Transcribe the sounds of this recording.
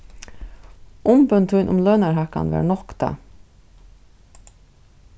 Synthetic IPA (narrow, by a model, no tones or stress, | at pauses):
ʊmpʏnt̪ʰujnʔʊmlœːnaɹɦaka̰nva̰ɾnɔkt̪a̰